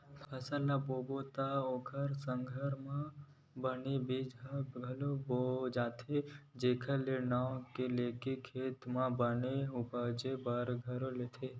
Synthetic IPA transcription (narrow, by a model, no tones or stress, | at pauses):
pʰɐsəlːaboːbot̪aoːkʰəɾsəŋɡʱəɾmã | bənibid͡ʒəɡʱɐlobod͡ʒaːt̪ʰed͡ʒeːkʰəlenãːkeleːkikʰːeːt̪mãbəneupəd͡ʒebəɾɡʱəɾolet̪ʰe